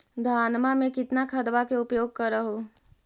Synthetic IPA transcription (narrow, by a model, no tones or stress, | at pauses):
d̪ʱaːnmamẽkɪt̪nakʰɐd̪ʋakeʊpjoːɡ̚kɐɾəɦo